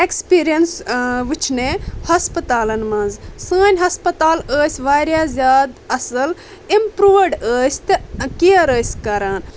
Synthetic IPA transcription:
ekspiːɾijɐnsʋit͡ʃʰnehɐspɐt̪aːlɐnmɐnzsəːnʲɦɐspɐt̪aːləːsʲʋaːɾʲjazʲjaːd̪ɐsɐl | impɾuːʋɖəːsʲt̪ɨkiɐɾəːsʲkɐɾaːn

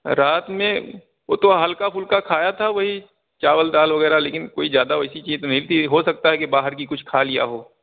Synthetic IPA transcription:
ɾaːt̪mẽ | o̰ːt̪oɦɐlkapʰʊlkakʰaːjat̪ʰaʋɐɦi | t͡ʃaːʋəld̪aːlʋɐɣɛːɾaleːkɪnkoːizjaːd̪aɛsit͡ʃiːzonɐɦit̪ʰiɦosɐk̚t̪aɦɛkebaːɦəɾk̬ikʊt͡ʃʰkʰaːlɪja̰ɦoː

